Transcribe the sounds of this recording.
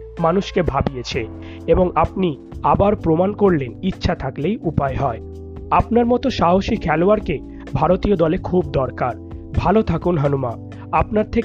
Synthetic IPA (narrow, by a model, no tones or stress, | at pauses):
manuʃkebʱabijet͡ɕʰe | eboŋap̚ni | abaɾpɾomankoɾlenitːɕʰat̪ʰaklejʔupaeɦɔe | ap̚naɾmɔt̪oʃaɦoʃikʰɛloaɾke | bʱaɾot̪iod̪ɔlekʰubd̪ɔɾkaɾ | bʱalot̪ʰakunɦanuma | apnaɾt̪ʰek